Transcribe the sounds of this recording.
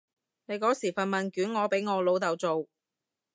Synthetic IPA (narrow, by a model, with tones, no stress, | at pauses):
ne˨˧jkɔː˨˥siː˨˩fɐ˨nmɐ˨nkyː˨˥nŋɔː˨˧pe˨˥jŋɔː˨˧lo˨˧wt̪ɐ˨wt͡so˨w